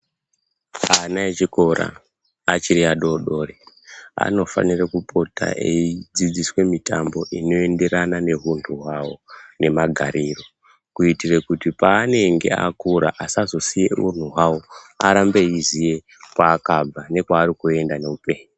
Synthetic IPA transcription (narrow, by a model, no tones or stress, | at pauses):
anaet͡ʃiko̞ra̰ː | t͡ʃiɾiaɗo̞ɗo̞ːre | a̰no̞fa̰nirakupʰo̞tʰa̰ʔeid͡zid͡ziswe̞mitambo̞ʔino̞e̞nde̞ɾanane̞ɦuntʰuɦwawo̞ne̞maɡʱaɾiro̞ | kuitirekutipaːne̞ŋɡe̞̰a̰kuɾa̰ʔasazo̞sijḛṵn̤uɦwawo̞aɾambe̞izije̞ | kwaːkab͡vane̞kwaːɾikue̞ndane̞upe̞ːɲi